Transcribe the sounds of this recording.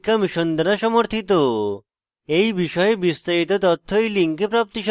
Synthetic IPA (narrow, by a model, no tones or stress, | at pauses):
kamiʃɔnd̪ɾaʃɔmoɾt̪ʰit̪o | ejbiʃɔjebist̪ait̪ɔt̪ɔt̪ʰːoiliŋkepɾap̚t̪iʃ